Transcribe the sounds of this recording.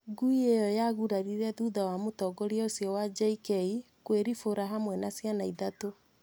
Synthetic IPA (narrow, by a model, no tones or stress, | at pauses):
ɡuiejɔjaɣuɾaɾiɾɛðuðawamotɔɡɔɾiaosjɔwad͡ʒaikɛi | kweɾifoɾaɦamwɛnasjanaiðato